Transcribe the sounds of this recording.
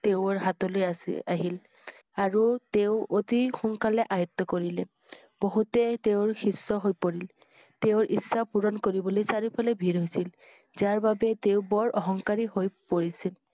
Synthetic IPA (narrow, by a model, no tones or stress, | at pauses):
teʊɔɹɦatɔlojaaɦil | aɹuteʊotixuŋkalɛʔajɔt̪ːɔkoɹilɛ | b̥oɦutɛteʊɹxisːɔɦojpoɹil | teʊɹʔisːapuɹɔnkoɹibɔlojsaɹipʰalɛbʱiɹɦojsil | zaɹbabɛteʊbɔɹʔɔɦɔŋkaɹiɦojpoɹisil